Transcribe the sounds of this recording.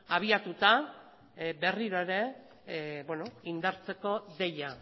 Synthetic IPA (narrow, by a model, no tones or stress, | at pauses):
aβ̞iat̪ut̪a | be̞riɾo̞eɾe̞ | bweno̞ind̪aɾt͡se̞ko̞ðe̞ja